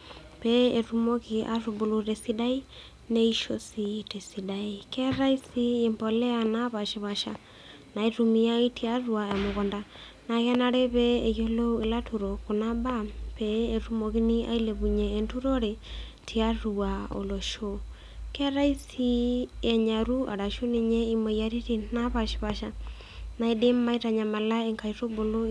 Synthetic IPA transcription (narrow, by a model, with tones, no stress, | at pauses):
pee˨ɾumo˦ɣia̰ɾubo˨lo˨ɾe˨si˦da˦i˦ | ne˦i˦ʃo̰˨site˨si˨daikɛ˦ɾa˦i˦sie˨mbo˨lɛ˦a˨naβa˨ʃi˨βa˨ʃa˨ | na˨i˨ɾumi˦a˦i˦tʰi˦a˦ɾuae˨mo˨ɣonda˨ | na˨ɣɛ˦naɾe˦βɛː˨jo˦lo˦ue˨la˦tuɾo˨ko˨na˦ba˦pɛː˨tu˦mo˨ɣi˦ni˦a̰˦i˦leβu˨ɲɛː˨ntu˦ɾo˦ɾe | tʰia˦ɾua˨o̰˨lo˨ʃo | kɾa˦i˦si˦e˨ɲa˨ɾu˦ʔa̰˨ɾa˨ʃo˦ni˦ɲɛ˦imo˨ija˨ɾi˦tina˦βa˨ʃi̥˨βa˨ʃa˨ | na˨i˨de˦ma˦i˦ta˨ɲa˨ma˨la˦eŋka˨iɾo˦bo˨lo˦